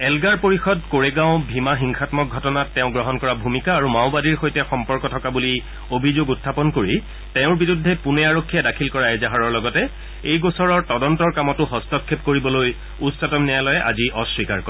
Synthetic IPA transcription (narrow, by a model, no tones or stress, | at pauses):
ɛlɡaɹpoɹixɔdkoɹeɡãʊ̃bʱimaxiŋxatmɔk̚ɡʱɔtɔnatːɛʊ̃ɡɹɔɦɔnkɔɹabʱumikaːɹumaʊ̃badiɹxojtɛxɔmpɔɹkɔtʰɔkabuli | obʱizoɡutʰːapɔnkoɹi | tɛ̃ʊ̃ɹbiɹudʱːɛpunɛaɹokʰːijɛdakʰilkɔɹaɛzaɦaɹɔɹlɔɡɔtɛ | ejɡosɔɹɔɹtɔdɔntɔɹkamɔtʊɦɔstɔkʰːepkoɹibɔloj | utsɔtɔmnɛjalɔjɛʔa̰ziʔɔswikaɹkɔ